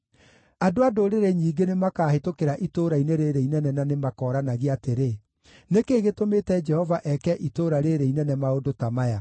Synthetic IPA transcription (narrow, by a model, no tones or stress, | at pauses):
adoadoɾeɾeɲiːɡenemakaːhetokeɾaʔitoːɾaineɾeɾeinɛnɛnanemakɔːɾanaɣiateɾe | nekeːɣetometɛd͡ʒɛhɔvaʔɛkɛʔitoːɾaɾeɾeinɛnɛmaodotamaja